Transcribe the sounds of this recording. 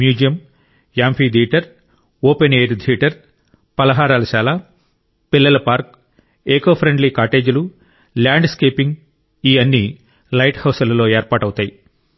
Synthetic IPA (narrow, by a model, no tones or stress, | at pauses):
mjuːd͡ʒijɐm | jaːmpʰiːd̪ʱiːʈɐɾ | oːpeneːɾd̪ʱiːʈɐɾ | pɐlɐɦaːɾaːlɐʃaːlaː | pilːɐlɐpaːɾk | eːkoːpʰɾeɳɖliːkaːʈe̞ːd͡ʒulu | ljaːɳɖskeːpiŋɡ | iːɐnːi | lɐjʈhɐwsɐlɐlo̞ːeːɾpaːʈɐwut̪aːji